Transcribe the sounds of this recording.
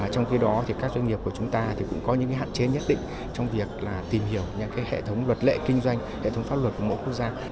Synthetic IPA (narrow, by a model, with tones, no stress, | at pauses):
t͡ɕɔ˧wŋ͡mxi˧ɗɔ˨˦t̪ʰi˨˩kaː˦˥k̚zwa˧ŋŋi˨˩əp̚ku˧˩ət͡ɕʊ˨˦ŋ͡mt̪aː˧t̪ʰi˨˩kʊ̰˧˥ŋ͡mkɔ˨˦ɲɨ̰˧˥ŋkaː˨˦ɦa̰ː˧˨nt͡ɕe˨˦ɲə˦˥t̚ɗḭ̈˧˨ŋ̟ | t͡ɕɔ˧wŋ͡mvi˨˩ək̚laː˨˩t̪i˨˩mhi˧˩əwɲɨ˧˩kaː˨˦jhḛ˧˨t̪ʰə˨˦wŋ͡mlwə˨˩t̚lḛ˧˨kï˧ŋ̟zwa˧jŋ̟hḛ˧˨t̪ʰə˨˦wŋ͡mfaː˦˥p̚lwə˨˩t̚ku˧˩əmo̰˧˥jkwu˦˥ək̚zaː˧